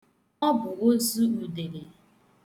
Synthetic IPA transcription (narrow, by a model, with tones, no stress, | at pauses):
ɔ˦bʊ˨ɣo˦zu˦u˨de˨ɾe˨